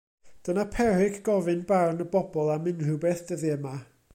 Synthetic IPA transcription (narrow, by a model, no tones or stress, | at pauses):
d̥ənapʰɛrɪɡɡ̥ɔvɨnbarnəbɔbɔlˠamɪnrɨwbɛθd̥əðiəma